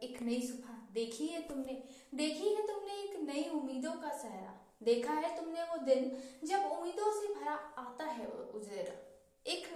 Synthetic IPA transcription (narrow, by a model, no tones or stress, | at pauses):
eːknɐisʊbʱad̪eːkʰiɦɛt̪ʊmne | d̪eːkʰiɦɛt̪ʊmneɪːknɐiʊmːiːd̪õkasɛɦɾa̰ | d̪eːkʰaɦɛt̪ʊmneʋod̪ɪnd͡ʒɐbʊmːiːd̪õsebʱɐɾaaːt̪aɦɛ̰ʊd͡ʒeɾa̰ | eːk